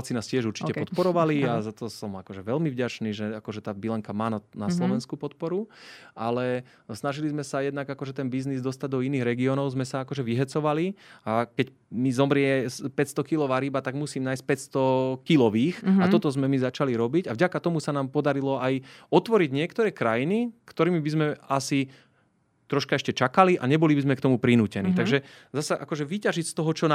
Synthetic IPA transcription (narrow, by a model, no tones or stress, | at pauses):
t͡sinaːscɪɛʒuɾt͡ʃicɛpɔt̪pɔɾɔʋaliazat̪ɔsɔmakɔʒɛʋɛlmivɟat͡ʃniːʒɛakɔʒɛt̪aːbilɛŋkamaːnanaslɔʋɛnskupɔt̪̚pɔɾuʔalɛ | snaʒilizmɛsajɛd̪naɡakɔʒɛt̪ɛnbiznizd̪ɔst̪aɟ̚d̪ɔiniːɣɾɛɡiɔnɔʊzmɛsaakɔʒɛʋiɦɛt͡sɔʋaliakɛc | mizɔmɾɪɛspɛcst̪ɔkilɔʋaːɾibat̪aɡmusiːmnaːjsc̚pɛtst̪ɔkilɔʋiːxat̪ɔt̪ɔzmɛmizat͡ʃaliɾɔbiɟavɟakat̪ɔmusanaːmpɔd̪aɾilɔajɔt̪ʋɔɾiɟɲɪɛkt̪ɔɾɛːkɾajinikt̪ɔɾiːmibizmɛasi | t̪ɾɔʃkaɛʃcɛt͡ʃakaliʔaɲɛbɔlibizmɛkt̪ɔmupɾinuːcɛniːt̪aɡʒɛzasaʔa̰kɔʒɛʋicaʒicst̪ɔɦɔt͡ʃɔn